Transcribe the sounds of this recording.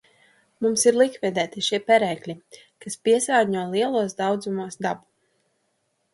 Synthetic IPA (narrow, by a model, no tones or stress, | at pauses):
mumsiɾlˠikvid̪ɛːt̪iʃiɛpɛɾɛːklʲi | kaspiɛsaːɲuɔlˠiɛlˠuɔsd̪awd̪zumuɔsd̪abu